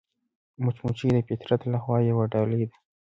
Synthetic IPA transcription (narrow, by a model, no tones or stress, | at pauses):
mʊt͡ʃmut͡ʃid̪əfɪt̪ɾat̪laxwɑjewaɖɑled̪a